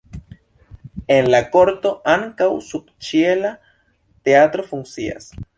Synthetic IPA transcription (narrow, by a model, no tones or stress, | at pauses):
enlakoɾt̪o̞ʔaŋkawsubt͡ʃiela | t̪eat̪ɾo̞fuŋsia̰s